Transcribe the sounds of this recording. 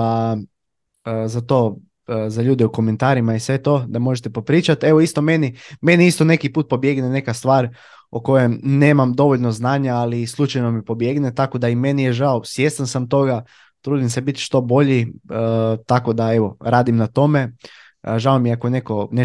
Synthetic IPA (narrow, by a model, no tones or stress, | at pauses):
a | zat̪o̞ː | zaʎuːd̪ɛuko̞ment̪aːɾimaisʋe̞t̪o̞d̪amo̞ʒet̪epo̞pɾiːt͡ʃat̪e̞ʋo̞ist̪o̞me̞nime̞niist̪o̞ne̞kipuːt̪̚po̞bje̞ɡnene̞kast̪ʋaːɾ | oko̞jemne̞ːmamd̪o̞ʋoʎnoznaːɲaːlislˠut͡ʃajnomipo̞bje̞ɡnet̪ako̞d̪aime̞nijeʒaosje̞st̪ansamt̪o̞ɡa | t̪ɾuːd̪imsebit̪ʃt̪o̞bo̞ʎiət̪ako̞d̪ae̞ʋo̞ɾaːd̪imnat̪o̞me̞ | ʒaomiakone̞ko̞ne